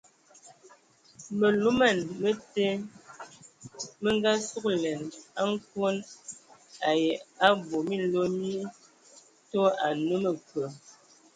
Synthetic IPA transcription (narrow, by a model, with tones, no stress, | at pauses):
mə˨lu˦ma˦˨nmə˦te˦ | mə˦ŋ˦ɡa˦su˦k̚lɛ˨na˦ŋ˦kwo˦n | a˨je˨a˦bo˨mi˦lo˦mi˦ | to˦a˨no˦mə˨kə˨